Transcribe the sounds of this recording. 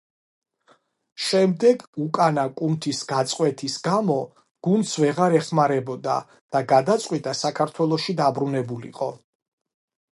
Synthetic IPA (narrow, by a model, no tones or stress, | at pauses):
ʃɛmd̪ɛɡukʼanakʼumt̪ʰisɡat̪sʼqʼwɛt̪ʰisɡamɔ | ɡ̥und̪sʰvɛʁaɾɛχmaɾɛbɔd̪a̰ | d̪̥aɡad̪at̪sʼqʼwit̪ʼasakʰaɾt̪ʰwɛlˠɔʃid̪abɾunɛbulḭqʼɔ